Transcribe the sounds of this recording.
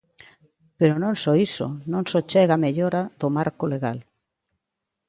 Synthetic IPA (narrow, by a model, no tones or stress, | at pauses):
peɾonõŋsɔiso̰nõŋsot͡ʃɛɣameʎoɾað̥omaɾkoleɣal